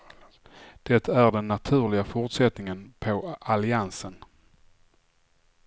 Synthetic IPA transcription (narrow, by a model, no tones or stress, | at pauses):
d̪̥ɛt̪ːæɾɖɛnːat̪ʰʉ̟ːɾɭɪɡafʊɾʈsɛt̪nɪŋənpʰɔʔalɪansən